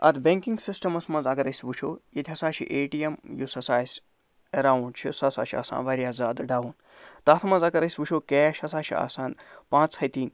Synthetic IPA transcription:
ɐ̰t̪ʰbeŋkiŋɡsisʈɐmɐsmɐnzɐkɐɾɐsʲʋut͡ʃʰoːjit̪ʰʲiɦɐsaːʃʰḭʔeːʈijemjusɐsaːsʲ | eɾaːwɳɖt͡ʃʰḭsɐsa̰ːʃʰia̰ːsa̰ːnʋɐɾʲjaːzaːd̪ɖaːʋun | t̪aːt̪ʰmɐnzɐkɐɾɐsʲʋut͡ʃʰoːkeːʃhɐsaːʃʰia̰ːsaːnpãːt͡shɐt̪iːn

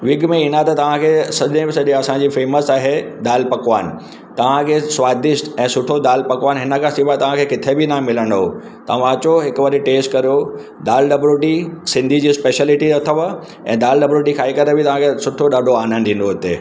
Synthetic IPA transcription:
ʋɪɡmẽiːnat̪ɐt̪ɐʋ̤ãkʰeːsɐʄẽbɪsɐɗẽɐsãd͡ʑiːfeːməsaːɦed̪aːlpɐkʋaːn̆ | t̪ɐʋ̤ãkʰeːswaːd̪ɪʃʈ̪ɛ̃ːsʊʈʰod̪aːlpɐkʋaːnɦɪnə̆kʰãsɪʋat̪ɐʋ̤ãkʰekɪt̪ʰebɪnãmɪlə̃ɽd̪o | t̪ɐʋ̤ãɐt͡ɕoɦɪkʋɐɾiʈeːsʈkɐɾijo | d̪aːlɖɐbɾoʈisɪ̃nd̪ʱid͡ʑiːspeːʃəlɪʈiɐt̪ʰəʋ | ɛ̰̃ːd̪aːlɖɐbɾoːʈikʰaːikɐɾebɪt̪ɐʋ̤ãkʰesʊʈʰoɗaːɖʱoaːnənɗ̪ĩn̆d̪oɦʊt̪e

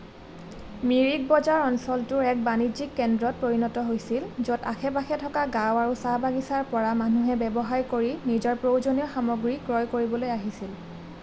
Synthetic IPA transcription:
miɹik̚bɔzaɹɔnsɔltʊɹɛk̚banizikːɛndɹɔt̚pɹoɹinɔtɔɦojsilzɔta̰xʰɛbaxʰɛtʰɔkaɡãwaɹusabaɡisaɹpɔɹamanuɦɛbɛbɔɦaɹkoɹinizɔɹpɹowzonijɔxamɔɡɹikɹɔjkoɹibɔlojaɦisil

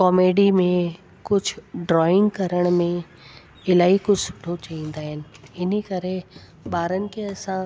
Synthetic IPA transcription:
kɔːmeːɖimẽ | kʊd͡ʑʱʊɖɾɔːɪ̃ŋɡkɐɾəɽ̃mẽ | ɪlaːɦikʊd͡ʑʱsʊ̥ʈʰot͡ɕɐĩːn̆d̪aːɦɪnɪ̆ɪnəkɐɾe | ɓaːɾənɪ̆kʰeːɐsã

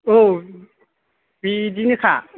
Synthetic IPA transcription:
o | bidinɯkʰa̰

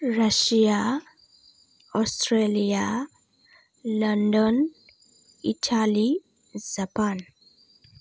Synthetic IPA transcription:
ɹaʃia | ɔstɹelia | lɔndɔn | ḭtʰali | zapan

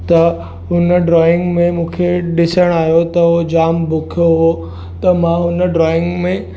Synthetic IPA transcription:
t̪ɐ | ɦʊnəɖɾɔːɪ̃ŋɡmẽmũːkʰeɗɪsəɽ̃aːjot̪ɐɦod͡ʑaːmbʊkʰijoɦo | t̪ɐmãɦʊnəɖɾɔːɪ̃ŋɡmẽ

